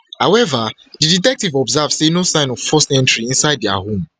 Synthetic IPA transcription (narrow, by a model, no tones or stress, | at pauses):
hawɛva | diditɛk̚tivɔbzav̥senosãɪ̃nɔvfɔstɛ̃ntɹiĩnsaɪd̚dɛa̰hõm